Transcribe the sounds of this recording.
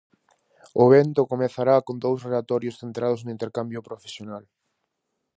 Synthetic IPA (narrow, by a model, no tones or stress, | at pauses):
ʊβent̪ʊkomeθaɾakond̪owsrelat̪ɔɾjosθent̪ɾaðʊznʊint̪eɾkambjʊpɾofe̥sjonal